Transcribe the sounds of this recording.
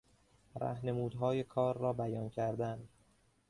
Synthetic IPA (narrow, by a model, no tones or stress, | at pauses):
ɾæ̰hne̞muːd̪ɦɒːje̞kʰɒːɾːɒːbæjɒːncʰæɾd̪æn